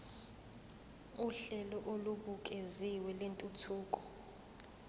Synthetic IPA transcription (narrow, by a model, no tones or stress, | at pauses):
uɬɛlɔʔoluɓuk̬ʼeziwɛlentʼutʰuːk̬ʼɔ̥